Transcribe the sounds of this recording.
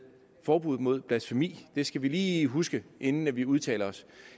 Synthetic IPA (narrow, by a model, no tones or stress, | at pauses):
fɒːb̥uð̞̰ˠmo̝ð̞̰ˠpʰlæsfemḭːd̥e̝sɡ̥æʋiliːɦusɡ̥əʔe̝nn̩æʋiuð̞ˠt͡sʰɛ̰ːlɐɒ̽s